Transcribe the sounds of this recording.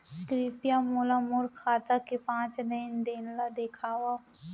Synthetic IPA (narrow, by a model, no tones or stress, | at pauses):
skɾiːpjamulamʊɾkʰaːt̪akepãːt͡ʃd̪əɪnd̪eːnlad̪ekʰaːwa